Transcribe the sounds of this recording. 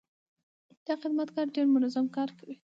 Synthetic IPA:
d̪̥axɪd̪mat̪kɑɾɖeɾmʊnɑzamkɑɾkawi

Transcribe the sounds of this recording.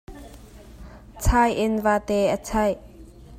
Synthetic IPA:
t͡sʰajʔɪnvaːt̪ɛʔət͡sʰaj

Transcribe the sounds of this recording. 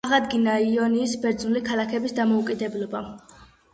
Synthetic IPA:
aʁad̪ɡinaiɔniːsbɛɾd̪znulikʰalakʰɛbisd̪amɔukʼid̪ɛblɔba

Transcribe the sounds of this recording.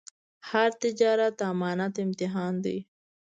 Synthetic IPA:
haɾt̪ɪd͡ʒɑːɾat̪amɑːnat̪ɪmt̪ɪɦɑːnd̪ḭ

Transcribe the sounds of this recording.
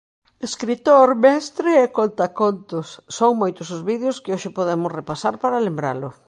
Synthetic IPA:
eskɾit̪oɾmɛst̪ɾɪɛkont̪akont̪ʊsːoŋmojt̪ʊsʊzβið̞joskɪoʃɪpoðemʊsrepasaɾpaɾɐlembɾa̰lʊ

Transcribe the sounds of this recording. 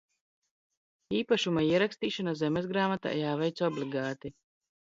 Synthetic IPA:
iːpaʃumaiɛɾakst̪iːʃanazɛmɛzɡɾaːmat̪a̰ːjaːvɛjt̪sɔbliɡaːt̪i

